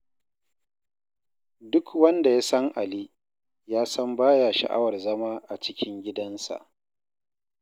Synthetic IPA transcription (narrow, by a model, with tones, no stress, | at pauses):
dʊ˦kwɐ˦nda˨jaː˦sɐ˦ŋʔa˨liː˦ | jaː˦sɐ˦mbaː˦ja˨ʃɐ̰˨ʔa̰˦wɐ˨rzɐ˦maː˦ʔa˨t͡ʃɪ˦kʲɪ˦ŋɡʲɪ˦dɐ˦nsa̰˨ʔ